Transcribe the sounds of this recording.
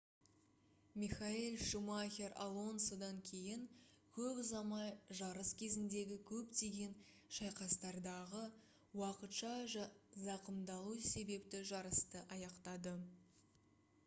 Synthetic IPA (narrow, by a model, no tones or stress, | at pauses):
miχailʲˠʃumaxʲe̞ɾa̰lˠo̞nsod̪ɑŋkʲʰe̞jɪŋkʲʰɵpzɑmɑjʒɑɾəskʲʰe̞zɪnd̪e̞ɡʲɪkʲʰɵpt̪e̞ɡʲe̞n | ʃɑjqɑst̪ɑɾd̪ɑʁə | wɑqət̪ʃɑzɑqəmd̪ɑlˠuse̞be̞pt̪ɪʒɑɾəst̪əʔɑjɑqt̪ɑd̪ə